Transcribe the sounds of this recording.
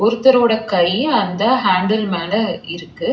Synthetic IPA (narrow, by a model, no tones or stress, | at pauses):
ɔɾɯt̪ːɐɾoːɽɐkɐjɐnd̪ɐɦaːɳɖɐlmaːnɐɪɾɯkːɯ